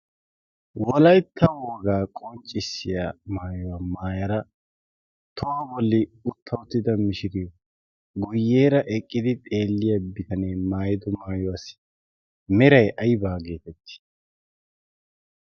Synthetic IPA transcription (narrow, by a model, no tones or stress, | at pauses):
wɔlɐjt̪ʰːɐwɔːɡaːkʼɔnt͡ʃʼːɪsːɪjamaːjɔwamaːjɐɾɐ | t̪ʰɔwabɔlːɪʊt̪ʰːɐwʊt̪ːɪd̪ɐmɪʃɪɾɪjɔ | ɡʊjːe̞ːɾɐʔɛkʼːɪd̪ɪt̪ʼe̞ːlːɪjɐbɪt̪ɐneːmaːjɪd̪ɔmaːjɔwas | mɛɾɐjʔɐjbaːɡe̞ːt̪ɛt̪ːɪ̥